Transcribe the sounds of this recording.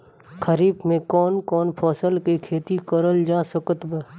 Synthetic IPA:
kʰəɾiːbmẽkɔːnkɔːnpʰɔːsəlkikʰeːt̪ikəɾəld͡ʒaːsəkət̪bə

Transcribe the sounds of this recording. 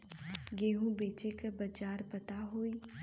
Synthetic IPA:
ɡeːɦũbeːt͡ʃekəbɐd͡ʒaːɾpɐt̪aɦoːi

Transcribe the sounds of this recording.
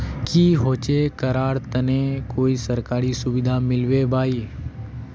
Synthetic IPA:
kiːɦot͡ʃekəɾaːɽt̪ənekoːisəɾkaːɾisʊʋɪd̪ʱamɪlʋebʱaːiː

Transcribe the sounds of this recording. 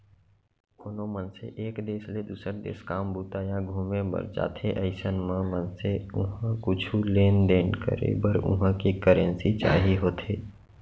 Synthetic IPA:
ʊnõmənsḛʔeːkd̪eːsled̪uːsəɾd̪ḛːskaːmbuːt̪ajaɡʱuːmẽbə̰ɾd͡ʒa̰ːt̪ʰeʔəɪsənmə̃mə̃nseʊɦə̃kʊt͡ʃʰuleːnd̪eːnkə̰ɾḛbəɾʊ̰ɦə̃kikəɾə̃nsit͡ʃaːɦiɦoːt̪ʰeː

